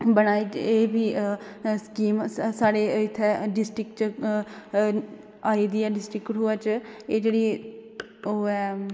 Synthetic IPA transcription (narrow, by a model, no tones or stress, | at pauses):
bəñaːiːt͡ʃeːbʱiːskiːmsaːɽeːɪt̪ʰːeɖɪsʈɾɪkt͡ʃ | aːiːd̪iːɛːɖɪsʈɾɪkʈɦʊɛːt͡ʃeːd͡ʒeːɽiː | oːɛː